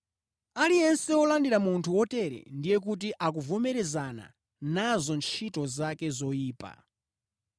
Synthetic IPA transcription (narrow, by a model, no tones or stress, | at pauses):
alijɛnsɛɔlandiɾamuntʰuwɔtɛɾɛ̰ndijɛk̬ut̬iʔak̬uvɔmɛɾɛzana̰ | nazɔnt͡ʃʰitɔzakɛzɔjiːpa̰